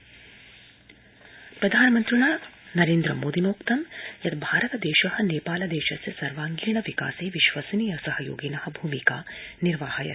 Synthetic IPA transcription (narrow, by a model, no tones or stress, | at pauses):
pɾɐd̪ʱaːnɐmɐnt̪ɾuɳaːnɐɾeːnd̪ɾɐmoːd̪inoːkt̪ɐmjɐt̪bʱaːɾɐt̪ɐd̪eːʃɐhɐ̆neːpaːlɐd̪eːʃɐsjɐsɐɾʋaːŋɡiːɳɐʋika̰ːseːʋiʃʋɐsɐniːjɐsɐɦɐjo̰ːɡinɐhɐbʱuːmikaːniɾʋaːɦɐjɐ̰